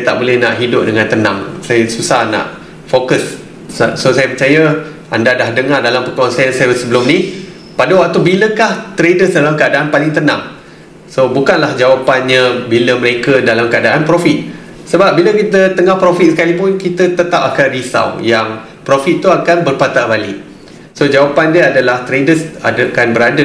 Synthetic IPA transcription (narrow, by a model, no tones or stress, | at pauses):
sat̪a̰ʔbolɛhnaʔɦidʊp̚dəŋãnt̪ənã̰ŋsajəsusahna̰ʔ | fokəs | sosajəpət͡ʃajə | a̰ndadahdəŋardalampəkuansaɛənsajəəsəbəlʊmni | padəwak̚t̪ubiləkaht̪əɾedəsdalamkəadaʔanpalɪŋt̪ənã̰ŋ | sobukanlahd͡ʒawapanɲə̃biləməɾekədalamkəadaʔanpɾofit̪̚ | səbap̚biləkit̪ət̪əŋahpɾofit̪̚sə̥kalip̬ʊnkit̪ət̪ət̪ap̚akanrisa̰wjaŋ | pɾofit̪̚ːuakanbərpat̪aʔbalɪʔ̚ | sod͡ʒawapandiəadalaht̪ɾedəsa̰dakanbəɾadə